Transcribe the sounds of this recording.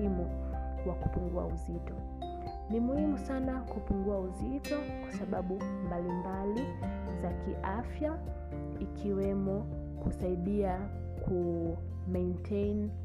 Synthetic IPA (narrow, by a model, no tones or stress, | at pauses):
imuwaku̥puŋɡua̰uzitɔ | nimuhimusanakupuŋɡuauzitɔkwasaɓaɓumbalimbali | zakiʔafja | ikʰiwɛmɔ | kusaiɗia | ku | mɛintʰejn